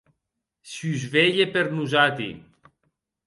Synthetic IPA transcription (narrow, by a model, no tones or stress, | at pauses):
syzveʎepeɾnuzat̪ḭ